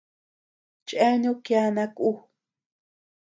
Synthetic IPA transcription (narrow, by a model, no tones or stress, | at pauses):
t͡ʃʼanukjanaku